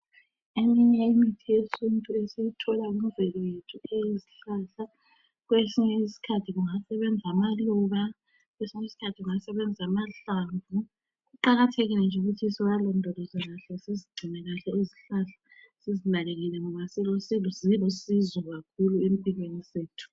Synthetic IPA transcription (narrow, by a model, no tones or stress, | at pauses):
emiɲɛimitʰiesʰuntʼuɛsejutʰɔlaumuvɛlɔjetʰueziɬaɬa | ɣwesiɲɛisi̥kʰatʰiɣuŋasɛβɛnd͡zʱamalɔβa | ɣwesiɲeisi̥kʰatʰiɣuŋasɛβɛnd͡zʱamaɬaɱvu | ɣuǃaɣatʰeɣilɛnd͡ʒʱuɣutʰisiwalɔndʱɔlɔzaɣaɬɛsiziɡ͡ǀʱinɛɣaɬɛoziɬaɬḁ | sizinaleɣilɛŋɔβasilosilzilosizɔɣakʰuluempʼiɣweniseːtʰu̥